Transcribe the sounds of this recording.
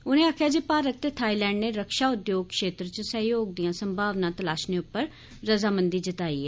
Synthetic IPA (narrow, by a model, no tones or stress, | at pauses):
ʊnẽːaːkʰjaːd͡ʒiːpaːɾət̪ːet̪ʰaːiːlɛ̃ːɳɖneːɾəkʃaːʊd̪joːɡ̚kʃeːt̪ɾt͡ʃəsə̃ɦjoːɡ̚d̪ijãːsəmbʱaːʋnãːt̪əlaːʃneːʊpːəɾ | ɾəzaːmənd̪iːd͡ʒət̪aːiːɦɛː